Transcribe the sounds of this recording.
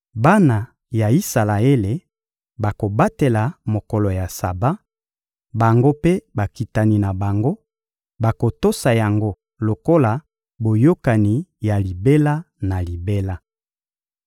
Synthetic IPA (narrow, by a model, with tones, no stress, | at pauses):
ba˦na˨ | ja˨i˦sa˨la˨e˦le˨ | ba˨ko˨ba˦te˨la˨mo˨kɔ˨lɔ˨ja˨sa˨ba˦ | ba˨ŋɡo˦pe˦ba˨ki˨ta˨ni˨na˨ba˨ŋɡo˦ | ba˨ko˨to˦sa˨ja˨ŋɡo˦ | lo˨ko˦la˨ | bo˨jo˦ka˨ni˨ja˨li˨be˦la˦ | na˨li˨be˦la˦